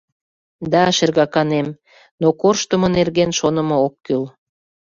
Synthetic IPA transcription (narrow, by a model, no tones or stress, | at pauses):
d̪ɑʃerɣɑkɑnem | nokorʃt̪əmonerɣenʃonəmookːyl